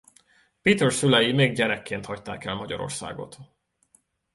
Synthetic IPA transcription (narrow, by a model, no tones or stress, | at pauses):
piːt̪ɛrsylɛjimeːɡɟɛɾɛkːeːnt̪hɒct̪a̰ːkɛlmɒɟɒ̰ɾo̞̰rsa̰ːɡo̞̰t̪